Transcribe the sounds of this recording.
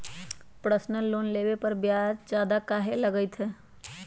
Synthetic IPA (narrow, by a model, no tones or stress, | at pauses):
pɾəsnəlːoːnleːwepəɾbjaːd͡ʒd͡ʒjaːd̪akaːɦeləɡəɪt̪ʰɦɛː